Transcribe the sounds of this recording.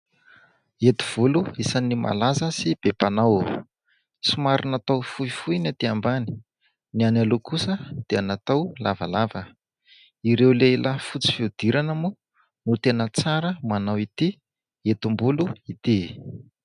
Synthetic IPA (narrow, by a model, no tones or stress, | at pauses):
et̪i̥v̥uluisanimʔa̰lazəsib̥epanaw | sumaɾinat̪awfujfujnat̪iambani̥ | nianalokusəd̪̥eanat̪awlavalavə | iɾewlelʔafut͡si̥fiud̪̥iɾanəmu | nut̪enət͡saɾəmanawit̪i | et̪umbuluit̪i